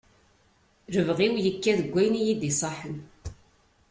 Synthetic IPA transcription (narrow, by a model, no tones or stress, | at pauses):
ɾəvʁiwjəkːæðəɡʷːæjnijid̪isˤɑħu